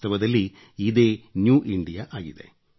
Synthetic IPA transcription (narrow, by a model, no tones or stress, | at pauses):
t̪ɐʋɐd̪ɐlːi | id̪e̞ːnjuːʔiɳɖijaʔaːɡid̪e̞̰